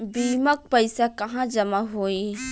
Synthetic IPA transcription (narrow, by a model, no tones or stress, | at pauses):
biːmək̚pəɪsakɐɦãd͡ʒəmaɦoːi